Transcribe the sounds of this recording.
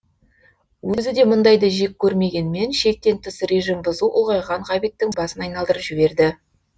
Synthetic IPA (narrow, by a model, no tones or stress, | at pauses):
wʔɵzɪd̪e̞mʊnd̪ɑjd̪əʒek̚ʲkʲʰːɵɾme̞ɡʲe̞nɪme̞nʃe̞k̚t̪e̞nt̪ʏsɾe̞ʒimbʊzuʔʊlˠʁɑjʁɑɴʁɑβit̪ːɪŋbɑsənɑjnɑlˠd̪əɾəpʒɪbe̞ɾd̪ɪ